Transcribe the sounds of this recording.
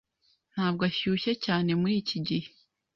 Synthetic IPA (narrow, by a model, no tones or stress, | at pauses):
n̥haːb̚ɡaçuːçecaːne̞muɾiːciɟihe